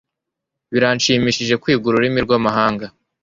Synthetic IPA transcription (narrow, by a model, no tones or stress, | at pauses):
βiɾanʃiːmiʃiʒe̞kwiːɡuɾuɾimiɾɡwamaɦaːŋɡa